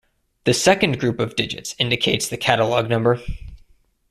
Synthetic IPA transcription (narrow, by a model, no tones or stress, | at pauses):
ðɨsɛkɨ̃nɡɹʉpʌvdɪd͡ʒɨ̰tsɪ̃ndɨkʰeɪtsðɨkʰæɾəlˠɔɡ̚nʌ̃mbə˞